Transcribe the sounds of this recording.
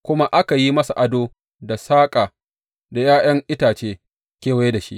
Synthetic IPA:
kʷʊ˦ma˦ʔa˦ka˨ji˦mɐ˦sa˨ʔa˨doː˦ | da˨saː˦kʼaː˨ | da˨jaː˦j̰ɐ˦ŋʔɪ˦taː˨t͡ʃeː˦ | kʲeː˦˨wa˨˦je˦da˨ʃḭ˦ʔ

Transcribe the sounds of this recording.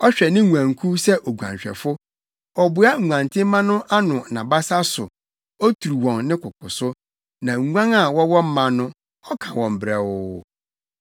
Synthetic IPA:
ɔ˦ɕᶣɛ˨nɪ̃˦ŋʷu˨ã˨ŋ˨kʰu˦sɛ˦ʔo˨ɡʷã̰˨ɲ˨ɕᶣɛ̰˨fʊ˦ | ɔ˨bʊ˨˦a˦ŋ̩˨ŋʷã˨n˨tʰɪ̃˦mã˦nʊ̃˦ʔa˦nʊ̃˨nã˨ba˦sa˦sʊ˨ | ɔ˦tʰu˨u˨wɔ̃˨nːɪ̃˦kʰʊ˨kʰʊ˨sʊ˦ | nã˨ŋ˨ŋʷã˦ŋa˨wɔ˦wɔ̃˦m̩˦mã˨nʊ̃˦ | ɔ˦kʰã˨wɔ̃˨m̩˨bɾɛ˨ʊ˦

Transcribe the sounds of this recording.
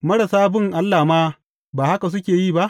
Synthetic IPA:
mɐ˦ɽa˨saː˦bɪ˦ŋʔa˦lːaː˨maː˦ | baː˨ha˦ka˨s̬ʊ˦kʲeː˨jiː˦˨ba˦ʔ

